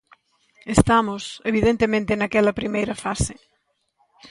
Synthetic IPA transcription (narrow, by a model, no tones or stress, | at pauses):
est̪amʊseβiðent̪emẽnt̪enakɛlɐpɾimejɾɐfasɪ